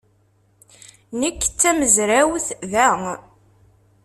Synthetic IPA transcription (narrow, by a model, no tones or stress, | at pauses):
nəkːt͡sːæməzɾæwθðæ